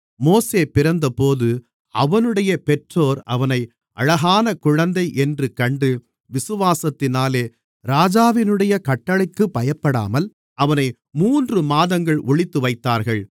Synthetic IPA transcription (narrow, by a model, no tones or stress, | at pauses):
moːseːpɪɾɐnd̪ɐpoːðɯ | ɐʋɐnɯɽɐjɐpɛʈroːɾɐʋɐnɐɪ | ʔɐ̰ɻɐɣaːnɐkʊɻɐnd̪ɐɪʔɛndrɯkɐɳɖɯ | ʋɪsɯʋaːsɐt̪ːɪnaːleː | ɾaːd͡ʒaːʋɪnɯɽɐjɐkɐʈːɐɭɐɪkːɯpːɐjɐpːɐɽa̰ːmɐl | ʔɐʋɐnɐɪ | muːndrɯmaːðɐŋɡɐɭʔʊɭɪt̪ːɯʋɐɪt̪ːaːɾɣɐɭ